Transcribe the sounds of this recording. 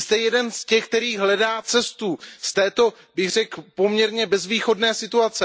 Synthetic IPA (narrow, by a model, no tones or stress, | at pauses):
st̪ɛjɛdɛnscɛxk̚t̪ɛɾiːɦlɛdaːt͡sɛst̪uːst̪ɛːt̪o̞ | bɪɣr̝ɛkpo̞mɲɛɾɲɛbɛzviːxo̞dnɛːsɪt̪uat͡sɛ